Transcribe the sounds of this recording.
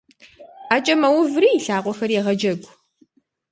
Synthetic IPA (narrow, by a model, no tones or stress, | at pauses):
aːt͡ʃʼɐmɐwʊvriːjɪɬaːqʷɔxɐrjɛʁɐd͡ʒɐɡʷ